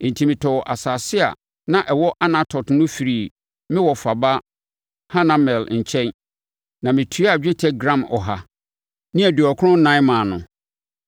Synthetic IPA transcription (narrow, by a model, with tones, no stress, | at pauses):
n̩˨tʰi˨mɪ̃˨tʰɔ˨wʔa˨saː˨sɪ˦a̰˨ | nã˦ʔɛ˨wɔ˦ʔa˦nã˦tʰɔ˨tnʊ̃˦fi˨ɾiː˨ | mɪ̃˦wɔ˨fa˨ba˦ | hã˦nã˦mɛ˨lɲ̩˨t͡ɕʰɛ̃˦n | nã˨mɪ̃˨tʰu˨˦a˨d͡ʑᶣɪ˦tʰɛ˦ɡɾã˦mɔ̰˨ɦa˦ | nɪ̃˦æ˨du˨ɔ˨kʰʊ˦ʊ̃˦nã˦mãː˨nʊ̰̃˨